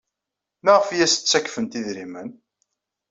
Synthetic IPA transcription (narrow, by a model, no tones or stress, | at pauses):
mæʁəfjæst͡sːækːfənt̪iðɾimən